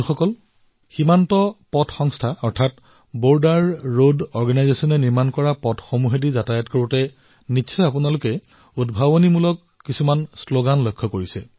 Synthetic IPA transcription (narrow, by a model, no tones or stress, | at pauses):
xɔkɔl | ximantɔpɔtxɔŋstʰaɔɹtʰat | boɹdaɹːodɔɹɡanajzesɔnɛniɹmankɔɹapɔtxomuɦedizatajɔtkoɹutɛ | niɔjapunalʊkɛ | udbʱabonimulɔkːisumansloɡanlɔjkʰːɔkoɹisɛ